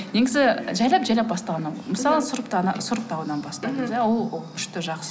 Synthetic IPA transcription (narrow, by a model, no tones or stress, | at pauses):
neɡʲɪzɪʒæjlˠɑpʒæjlɑp̚bɑst̪ɑnɑməsɑlˠəsʊɾəpt̪ɑ̰sʊɾəp̚t̪ʰɑwunɑnbɑst̪ɑjmzjawolˠʏ̥ʃt̪ɪʒɑqsə